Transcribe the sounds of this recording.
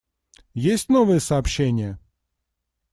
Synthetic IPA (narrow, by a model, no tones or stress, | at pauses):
jesʲtʲnovɨjəsɐːpɕːenʲɪjə